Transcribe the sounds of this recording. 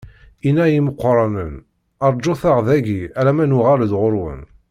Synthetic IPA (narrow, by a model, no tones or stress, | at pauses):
inæjiməqːɾˤɑnən | ɑɾˤd͡ʒoθaʁðæɡiælæmænʊʁaləd̪ʁʊɾwə̰n